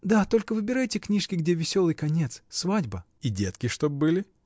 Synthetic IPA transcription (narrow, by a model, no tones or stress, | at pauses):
d̪at̪o̞lʲkəvɨbʲɪɾajtʲɪknʲiʂkʲɪɡdʲevʲɪsʲo̞lˠɨjkɐnʲet̪ssvadʲbə | idʲet̪kʲɪʂt̪ob̚bɨlʲɪ